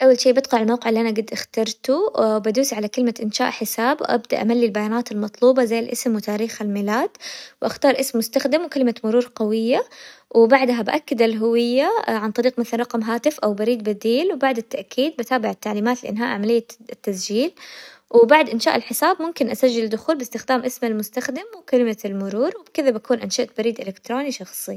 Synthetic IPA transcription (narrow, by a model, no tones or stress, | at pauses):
ʔawːalʃiːʔbɪt̪qɑʕɪlmawqɪʕɪlːiʔanaɡɪd̪ːʔaxt̪ɑɾˤt̪ubad̪uːsiʕalakɪlmaʔɪnʃa̰ːʔħɪsaːbwʔa̰bd̪a̰ʔamalːilbajaːnaːt̪ɪlmɑt̪ˤluːbɑzajːɪlʔɪsmwɪt̪aːɾiːxalmɪlaːd̪̥wʔaxt̪ɑːɾˤʔɪsmːʊst̪axd̪ɪmwkalmamʊɾuːɾˤqɑwɪjːawɪbaʕd̪ɦabaʔakːad̪alɦʊwɪjːaʕant̪ˤɑɾiːqmaθalanrˤɑqmɦaːt̪ɪfʔawbaɾiːd̪̚bad̪iːlwbaʕd̪ɪt̪ːaʔkʰiːd̪̚bat̪aːbɪʕɪt̪ːaʕliːmaːt̪lɪʔɪ̰nɦa̰ːʔʕamalɪjːat̪ːasd͡ʒiːlwɪbaʕd̪ʔɪnʃaːʔɪlħɪsaːbmʊmkɪnʔasaʒːɪlɪld̪ːʊxuːlbɪst̪ɪxd̪aːmʔɪsmalmʊst̪axd̪ɪmwɪkalɪmalmʊɾuːɾwɪbkɪðabakuːnʔɪnʃaʔt̪̚baɾiːd̪ʔɪlɪkt̪ɾoːniʃɑxsˤi